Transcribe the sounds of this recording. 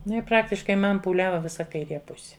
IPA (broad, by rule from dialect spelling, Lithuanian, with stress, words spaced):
ˈnʊ ɪ ˈprɑːktʲɪʃkɐɪ ˈmɐn puːˈlʲæːʋɐ ˈʋʲɪsɐ kɐɪˈrʲeː ˈpʊsʲɪ